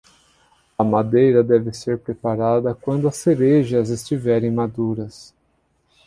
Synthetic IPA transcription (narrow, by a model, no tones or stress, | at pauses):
ɐmad̪ejɾɐd̪ɛvɪseɾpɾepaɾad̪ɐkwɐ̃nd̪ʊɐseɾeʒɐzest͡ʃivɛɾẽj̃mad̪uɾɐs